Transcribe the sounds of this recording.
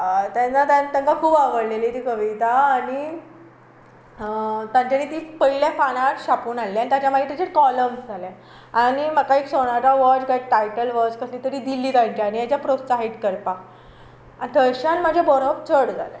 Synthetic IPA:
t̪ant͡sat̪ant̪ãŋkakʰuːbaʋəɽleliːt̪iːkəʋit̪aːɽ̃i | t̪jãɲt͡ɕanit̪iːpəilafañaʈɕapuːnaleanit̪jat͡ɕjamaet̪at͡ɕeʈkɔləmsd͡zʱale | aɽ̃iməkaeksoɽ̃at͡saʋɔt͡ɕɡaʈajʈəlʋɔd͡zkəsliːt̪əɾiːd̪ilːiːt̪at͡ɕiaɽ̃ijat͡ɕjapɾott͡saɦeʈkəɾpa | anit̪ʰəɾɕanm̤əd͡ʑʱebɔɾobt͡sʰəɽd͡zʱa̰le

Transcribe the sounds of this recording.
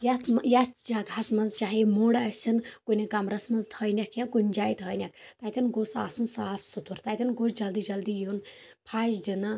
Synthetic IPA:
jɐt̪ʰmjad͡ʒaɡʱɐsmɐnzt͡ʃaːɦimuɽɐsʲɐnkunʲikɐmɾɐsmɐnzt̪ʰɐjnʲɐkʰjɐ̃kunʲd͡ʒaːjt̪ʰɔjnʲɐk̚ʰt̪aːt̪ʲʰinɡosa̰ːsũnsaːfʰsut̪uɾt̪aːt̪ʰʲinɡot͡ʃd͡ʒɐld̪iːd͡ʒɐld̪ijun | pʰaːzd̪inɐ

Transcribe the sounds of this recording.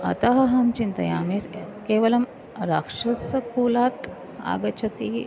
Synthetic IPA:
ɐ̰t̪ɐɦɐɦɐmt͡ʃint̪ɐ̰ja̰ːmeɾkeːʋɐlɐm | ɾaːkʂɐsɐkuːlaːt̪ | a̰ːɡɐt͡ʃʰɐt̪iː

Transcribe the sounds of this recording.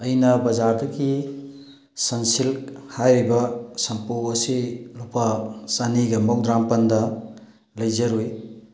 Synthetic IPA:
ɐjnɐbɐzaɾdɐɡi | sɐnsilhajɾibɐsɐmpuɐsilupasaniɡɐmɔk̚dɾampɐndɐ | lɐjzɐɾuj

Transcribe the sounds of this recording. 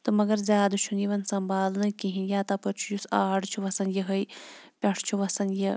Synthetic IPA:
t̪ɨmɐɡɐɾzʲaːd̪ut͡ʃʰunjiʋɐnsɐmbaːlnɨkĩɦĩnjaːt̪ɐpɐt͡ʃʰujusaːɖt͡ʃʰuʋɐsɐnjəɦɐjpʲɐʈʰt͡ʃʰuʋɐsɐnjɐ

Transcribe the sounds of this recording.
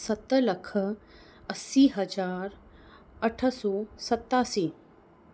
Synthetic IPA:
sɐt̪ələkʰ | ɐsːiːɦɐd͡ʒaːɾ | əʈʰəsɔːsɐt̪ːaːsiː

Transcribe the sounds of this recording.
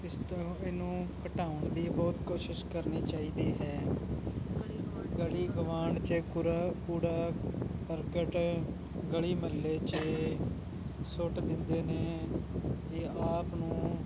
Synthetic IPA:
ɪst̪ːeːnũːkəʈaːʊɳd̪iːbɔːt̪koːʃɪʃkəɾniːt͡ʃaːiːd̪iːɦɛː | ɡəliːɡəʋaːɳt͡ʃekuɾaːkuːɽaːkəɾkəʈ | ɡəɭiːməlːeːt͡ʃe | sʊʈd̪ɪnd̪eːneː | eːaːpnũː

